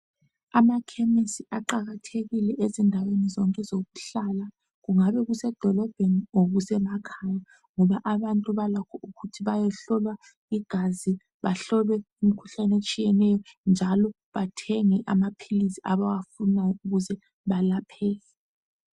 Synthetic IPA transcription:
amakʰɛmisiʔaǃaɣatʰeɣilɛʔezindʱawenizɔŋkʼɛzoɣuɬala | ɣuŋaβɛɣusɛd̥ʱɔlɔb̥ʱenioɣusɛmakʰaja | ŋɔβaʔaβantʼuβalakʰɔʔuɣutʰiβajɛɬɔlwa | iɡ̥ʱazi | βaɬɔlwɛumikʰu̥ɬanet͡ʃʼijɛnɛjɔnd͡ʒʱalɔ | βatʰɛŋɛʔamapʰilisiaβaɣafunajɔuɣuzɛ | βalapʰɛː

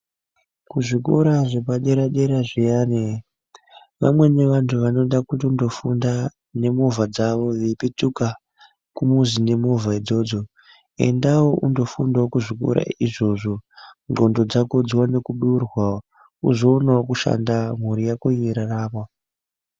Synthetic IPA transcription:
kuʐikoɾaʐepaɗe̞ɾaɗe̞ɾaʐijaːne | ʋa̰mwe̞ne̞ʋantʰuʋano̞ɗakutiundo̞funda | ne̞muvad͡zaʋo̞ʋepituka | kumuzine̞muvaid͡zo̞ːd͡zo̞ | e̞̰ndawoʔundo̞fundaokuʐiko̰ɾa̰iʐo̞ʐo̞ŋɡo̞ndo̞d͡zakod͡zwane̞kuɗurwa | uzo̞ːnaokuʃa̰ndamuɾijakojiiɾaraːmwa

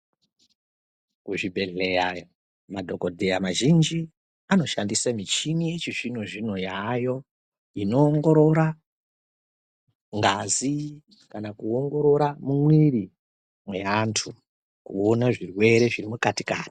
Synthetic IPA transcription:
kuʐibʱe̞ɮeja | madʱo̞kodʱejamaʒind͡ʒi | ano̞ʃandisamit͡ʃinijet͡ʃiʐino̞ʐino̞jajo̞ | ino̞ːŋɡo̞ɾo̞ɾa | ŋɡazi | kanakuoŋɡo̞ɾo̞ɾamumwiɾi | mwe̞antʰu | kṵonaʐirwe̞ɾe̞ʐiɾimukatika̰ːni̥

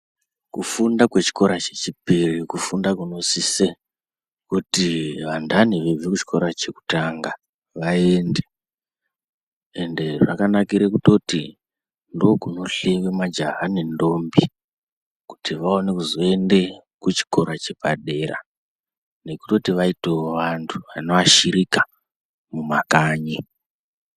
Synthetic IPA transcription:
kufundakwe̞t͡ʃi̥ko̞ɾat͡ʃe̞t͡ʃipirikufundakuno̞sise | kutiʋandaniʋeb͡vekut͡ʃi̥kʰo̞ɾat͡ʃe̞ku̥taŋɡa | ʋae̞nde̞ | ende̞ʐa̰kanakiɾekuto̞ti | ndo̞kuno̞ɬe̞ʋemad͡ʒaɦanindo̞mbi | ku̥tiʋao̞nekuzoe̞nde̞ | kut͡ʃi̥ko̞ɾat͡ʃe̞paɗe̞ɾa̰ | ne̞ku̥to̞tiʋaiteʋantʰu̥ʋano̞ʋaʃiɾika | mumakaːɲi

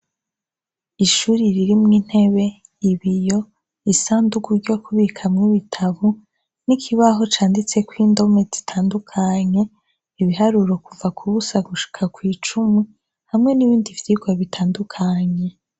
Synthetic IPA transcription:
iʃuːɾiɾiɾimŋiːn̥he̞βe̞ | iβijo̞ | isaːnduɡuɾɟo̞kʰuβikʰamŋiβitʰaβu | nikʰiβaɦo̞t͡ʃaːndit͡se̞kwiːndo̞me̞zi̥tʰaːndukʰaɲe̞ | iβiɦaɾuɾo̞kuvakʰuβusaɡuʃi̥kʰakwiːt͡ʃume | hamŋe̞niβiːndivjiɡwaβitʰaːndukʰaɲe̞

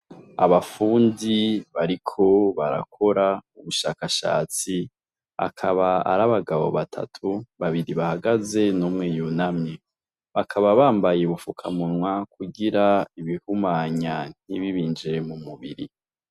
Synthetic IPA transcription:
a̰βafuːndiβaɾikʰo̞βaɾa̰kʰo̞ɾauβuʃaːkaʃa̰ːt͡si | a̰kʰaβaa̰ɾaβaɡaβo̞̰βatʰa̰tʰuβaβiɾiβahaɡaze̞nuːmŋejunamɲe | βakʰaβaβaːmbajeβufukʰamunwakʰuɡiɾaiβihumaɲan̥iβiβiːnd͡ʒe̞mumuβḭɾḭ

